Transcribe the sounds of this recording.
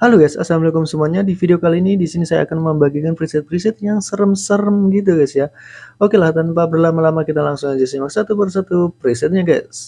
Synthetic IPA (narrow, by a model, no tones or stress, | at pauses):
haloɡasa̰samlikʊmsəmuaɲadifideokaliːnidisinisaja̰ːkanməmbaɡikanpɾisɛt̪̚pɾisɪt̪̚jaŋsəɾəmsəɾəmɡit̪̬uɡasjaokelaht̪anpabərlamalamakit̪alaŋsʊŋad͡ʒasimaksat̪ubərsat̪upɾisɛt̪̚ɲakaja̰ʔ